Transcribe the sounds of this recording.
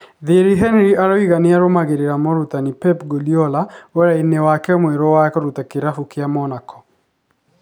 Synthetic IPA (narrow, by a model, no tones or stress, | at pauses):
ðeɾiɦɛnɾiʔaɾoiɣaneaɾomaɣeɾeɾamɔɾutanipɛpɡoliɔlawɛɾainewakɛmwɛɾɔwakoɾutakeɾafukeamɔnakʰɔ̥